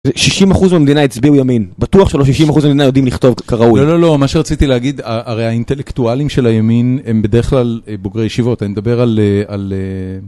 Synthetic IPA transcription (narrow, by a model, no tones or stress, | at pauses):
zeʃiʃimaχuzmeamed̪inaet͡sbiujaminbat̪uaχʃelo̞ʃiʃimaχuzmemed̪inajo̞d̪imliχt̪o̞vkaʁaujlolo̞lo̞maʃeʁat͡sit̪ileaɡid̪aʔːʁejaint̪elekt̪ualimʃe̞lajamine̞mbe̞d̪eʁeχklaleboɡʁejeʃivo̞t̪animed̪abe̞ʁaleale